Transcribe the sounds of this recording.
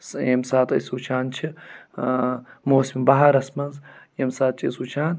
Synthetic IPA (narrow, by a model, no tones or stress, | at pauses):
semsaːt̪ʼɐ̰suːt͡ʃʰaːnt͡ʃʰi | moːsimbɐɦɐɾɐsmɐnzjemsaːt̪̚t͡ʃʼḭsuːt͡ʃʰaːn